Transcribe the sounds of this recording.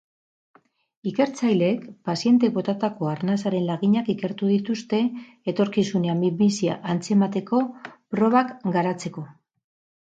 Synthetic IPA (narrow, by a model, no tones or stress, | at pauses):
ike̞ɾt͡sajle̞kpasie̞nt̪e̞kβo̞t̪at̪ako̞aɾnasaɾe̞nlaɣiɲakike̞ɾt̪uðit̪ust̪e̞ | et̪o̞ɾkisuneambibisia̰ʔant͡se̞mat̪e̞ko̞pɾo̞β̞akɡaɾat͡se̞ko̞